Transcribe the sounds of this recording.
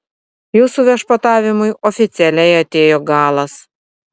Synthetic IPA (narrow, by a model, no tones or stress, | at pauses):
juːsuʋʲɛʃpɐt̪ɑːʋʲɪmʊjɔfʲɪt̪sʲɛlʲɛjɐt̪ʲeːjoɡɑːlˠɐs